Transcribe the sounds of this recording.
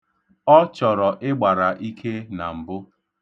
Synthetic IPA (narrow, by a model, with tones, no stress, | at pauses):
ɔ˦t͡ʃɔ˨ɾɔ˨ʔɪ˦ɡ͡ba˨ɾa˨ʔi˦kʰe˦na˨m̩˨bʊ˦